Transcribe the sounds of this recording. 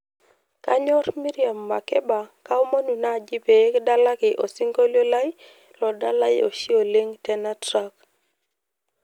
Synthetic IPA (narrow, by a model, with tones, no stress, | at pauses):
ka˦ɲɔ˦rmi˦ɾia˨mːa˨kɛ˦ba˨ka˦o˦mo˦nu˨na˦˨d͡ʒi˦pe˨˦kda˦la˦kɪ˨ʔo˨si˦ŋɡo˦ljo˦la˦j | lɔ˨da˦la˦ɪ̰˨o̰˨ʃi˦o˨le˦ŋtɛ˦na˦tɾa˦k